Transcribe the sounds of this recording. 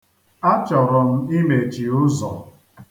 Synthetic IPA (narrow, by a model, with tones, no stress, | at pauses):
a˦t͡ʃɔ˨ɾɔ˨m̩˦i˦me˨t͡ʃi˨ʊ˦zɔ̰˨